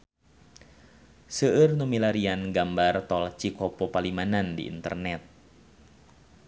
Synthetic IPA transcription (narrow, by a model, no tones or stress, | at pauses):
səʔɨrnumilaɾianɡambart̪ɔlt͡ʃikɔpɔpalimanandḭʔḭnt̪ə̰rnɛt̪̚